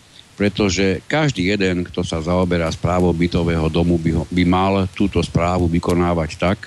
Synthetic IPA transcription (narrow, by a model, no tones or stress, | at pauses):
pɾɛt̪ɔʒɛkaʒd̪iːjɛd̪ɛnkt̪ɔsazaɔbɛɾaːspɾaːʋɔbit̪ɔʋɛːɦɔd̪ɔmubbimalt̪uːt̪ɔspɾaːʋuʋikɔnaːʋact̪ak